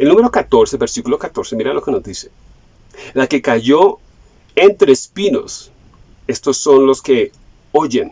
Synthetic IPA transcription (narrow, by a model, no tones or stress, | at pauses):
elnũme̞ɾo̞kat̪o̞ɾsebeɾsikulo̞kat̪o̞ɾse̞miɾalo̞ke̞nozd̪ise̥ | lake̞kaʝo̞ | ent̪ɾespino̞̰s | e̞st̪o̞sːo̞nlo̞ske̞ | oʝen